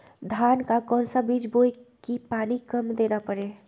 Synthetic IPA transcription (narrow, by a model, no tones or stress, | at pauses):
d̪ʱaːnkakɔːnsabiːd͡ʒboikipaːnikəmd̪eːnapəɾeː